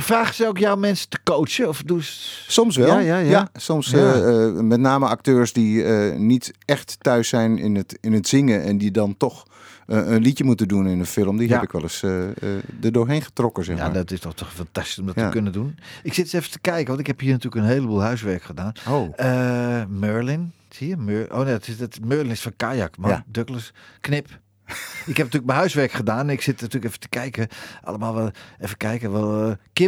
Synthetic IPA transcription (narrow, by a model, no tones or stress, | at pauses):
fraːχəsəokjawmɛnsə̥tə̥kowt͡ʃəɔfdussɔmsʋɛlˠjajasɔmsəmɛtnaːməak̚tøːɹsdiənitɛxttœɥsɛjnɪ̰nətɪnətsɪŋəɛ̰ndidɑntɔx | ənlitjəmutədunɪnəfɪlˠəmdihɛpɪkʋɛlˠəsədərdʊːɹɦejnχə̥trɔkəsɛxja̰dɔtɪstɔχtɔχfantasti̥sɔmdɔttəkønədunɪksɪtsɛfətə̥kɛjkəʋɑntɪkhɛphiːnatyːləkənɦeːləbuːlˠɦœɥsʋɛrkχədaːnoəmøːɹlɪn | hiəmøːʔo̰ːnedɔtɪstmøːlɪnɪsfɔnkajakmadøkləsknɪp | ɪkhɛpnətyːlək̚mɛnɦœɥsʋɛrkχədaːnɛnɪksɪtnatyːləkɛfə̥tə̥kɛjkəʔa̰lˠəmaːlˠʋaɛfəkɛjkəʋɛlˠkɪ